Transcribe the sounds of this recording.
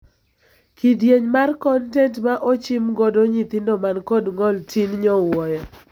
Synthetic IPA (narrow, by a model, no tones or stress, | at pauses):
kʰidjeɲmarkɔntɛntmaʔɔt͡ʃɪmɡɔdɔɲit̪ɪndɔmankoɔdŋɔltʰinɲɔwɔjɔ